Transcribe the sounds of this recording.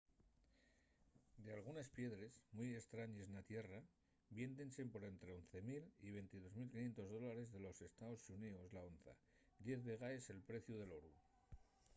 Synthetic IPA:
d̪ealɣ̞unespje̞ðɾe̞zmuje̞st̪ɾaɲe̞znat̪je̞ra | bje̞nt̪e̞nse̞mpo̞ɾe̞nt̪ɾe̞o̞nθe̞milḭβ̞e̞jnt̪ið̞o̞zmilkinje̞nt̪o̞zð̞o̞laɾe̞zðe̞lo̞se̞st̪aosunioslao̞nθa̰ | d̪je̞θβe̞ɣae̞se̞lpɾe̞θjuð̞e̞lo̞ɾu

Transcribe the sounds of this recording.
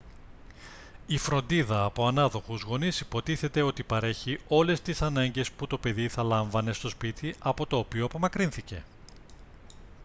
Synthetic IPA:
ifɾo̞nd̪iðɐːpo̞ɐnɐðo̞xuzɣo̞nisi̥po̞t̪iθe̞t̪e̞o̞t̪ipɐɾe̞çio̞le̞st̪isɐnɐɲɟe̞sput̪o̞pe̞ðiθɐlɐɱvɐne̞st̪o̞spit̪iɐpo̞t̪o̞ːpioɐpo̞mɐkɾinθice̞̰

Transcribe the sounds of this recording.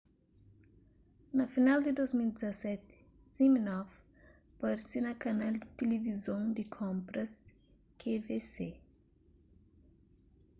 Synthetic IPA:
nɐfinald̪id̪ojzmild̪izɐsɛt̪ | z̥iminɔv | pɐɾsinɐkɐnald̪it̪elevizõw̃d̪ikʰõmpɾɐs | kʰevese

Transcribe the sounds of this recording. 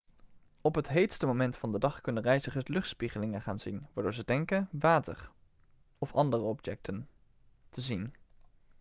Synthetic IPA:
ɔpɦətɦejtstəmomɛntfɑndədɑχkɵnənrɛjzəχətlɵχtspiχəlɪŋənχaːnzinʋaːɹdʊːɹzədɛŋkəʋaːtə̰ɹ | ɔfɑndərəɔpjɛk̚tən | təzin

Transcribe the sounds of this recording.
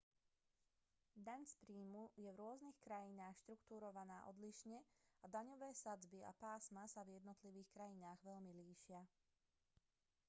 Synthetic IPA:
d̪aɲspɾiːmujɛʋɾʊɔznixkɾajinaːxʃt̪ɾukt̪uːɾɔʋanaːʔɔd̪liʃɲɛad̪aɲɔʋɛːsad͡zbia̰paːsmasavjɛd̪nɔt̪liʋiːxkɾajinaːɣʋɛʎmiliːʃɪa

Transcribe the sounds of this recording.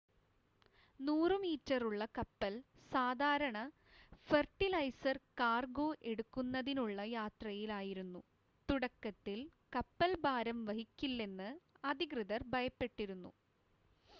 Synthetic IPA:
nuːrɨmiːtːɐruɭːɐkɐpːɐl | saːd̪ʱaːɾɐɳɐ | ferʈːilɐjsɐrkaːrɡo̞ːʔe̞ɽukːunːɐðinuɭːɐjaːt̪rɐjilaːjiɾunːu | t̪uɽɐkːɐt̪ːilkɐpːɐlbaːɾɐmʋɐɦikʲːilːe̞nːɨɐd̪ʱiɡrɨðɐrbʱɐjɐpːe̞ʈːiɾunːṵ

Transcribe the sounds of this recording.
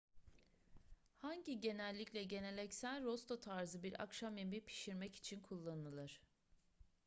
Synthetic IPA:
haɲɟiɟe̞nɛlʲːiclʲɛɟe̞nelʲɛcsælʲɾost̪ʰo̞t̪ʰaɾzɯbiɾa̰kʃamjemipʰi̥ʃiɾmɛci̥t͡ʃʰinkʰulˠːanɯlˠɯɾ̥

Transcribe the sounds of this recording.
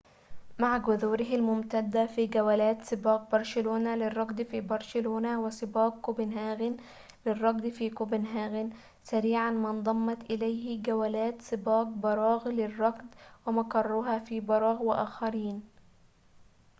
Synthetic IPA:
maʕɡʊðuːɾɪɦɪlmʊmt̪ad̪ːafiːɡawalaːt̪sˤɨbɑːq̚bɑɾˤʃɪluːnalɪrˤːɑɡd̪fiːbɑɾˤʃɪluːnawɪsˤɨbɑːq̚kʊbɪnɦaːɣɪn | lɪrˤːɑɡ̚d̪fiːkʊbɪnɦaːɣɪn | saɾiːʕanmɪnd̪ˤɑmːɑt̪ʔɪlajhɪɡawalaːt̪sˤɨbɑːq̚bɑɾˤɑːɣlɪrˤːɑɡd̪wɪmakɑrˤːʊɦaːfiːbɑɾˤɑːɣwɪʔaːxɑɾiːn

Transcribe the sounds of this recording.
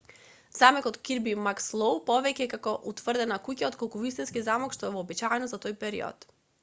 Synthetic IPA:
z̥amɛkɔt̪kiɾbimakslˠowpɔvɛcɛkakɔʔut̪vr̩d̪ɛnakucaɔot̪̚kɔlˠkuvist̪inskizamɔkʃt̪ɔɛvɔːbit͡ʃaɛnɔzat̪ojpɛɾḭɔ̰t̪

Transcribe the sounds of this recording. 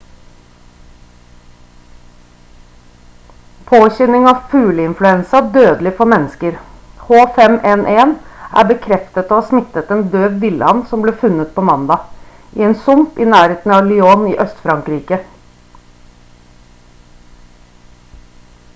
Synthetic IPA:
pʰoːçɛnɪŋɑːʋfʉːləɪnflʉɛnsɑd̪øːd̪lɪfɔɾmɛnːskəɾ | hoːfɛmʔɛnʔeːnʔæ̰ːbəkʰɾɛft̪ət̪oːhɑːsmɪt̪ət̪eːnd̪øːʋʋɪlə̰ɑnsɔmbleːfʉnət̪̚pʰoːmɑnd̪ɑː | ʔḭːeːnsʊmpiːnæːɾheːt̪n̩ɑːʋlɪoːnḭːʔœst̪fɾɑŋkɾiːkə

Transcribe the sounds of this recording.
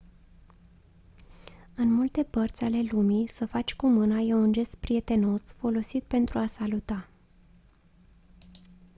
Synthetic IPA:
ɨnmult̪e̞pərt̪sʲale̞lumisəfat͡ʃʲkumɨnajeund͡ʒe̞st̪̚pɾie̞t̪e̞no̞sfo̞lo̞sit̪̚pe̞nt̪ɾuasalut̪a

